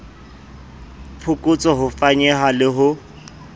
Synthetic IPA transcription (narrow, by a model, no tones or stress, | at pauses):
pʰʊkʼʊt͡sʼɔɦʊfaɲɛɦalɪɦʊ